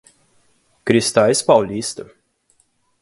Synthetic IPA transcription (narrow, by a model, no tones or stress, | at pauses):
kɾist̪alʲspawlʲist̪ɨ